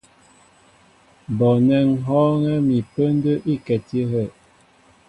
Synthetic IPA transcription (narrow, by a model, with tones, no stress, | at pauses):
bɔ˨nɛ˦ŋ˦ɦɔ˦ŋɛ˦mi˨pə˦n˦də˦ʔi˦˨kɛ˨ti˦ɦə˦˨ʔ